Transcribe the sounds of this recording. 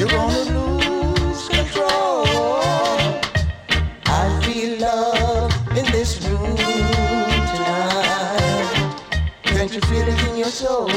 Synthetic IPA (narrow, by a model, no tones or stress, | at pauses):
jəwɔ̃nəluz̥kʰɨ̃ntʰɹ̥ol | aɪɹilʌvɪ̃nðɪsɹũm | tʰaɪ | kɛ̃nt͡ʃə˞filˠɪ̃ŋɪ̃njə˞so